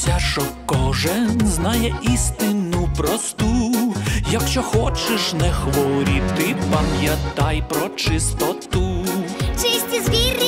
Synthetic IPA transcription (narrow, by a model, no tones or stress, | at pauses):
sʲaʂɔkɔʒɛnznajɛist̪ɪnʊpɾɔst̪u | jɐkʃt͡ʃɔxɔt͡ʃɪʃnɛxʋɔɾʲit̪ɪpɐmjɐt̪ajpɾɔt͡ʃɪst̪ɔt̪ʊt͡ʃɪsʲtʲizʋʲir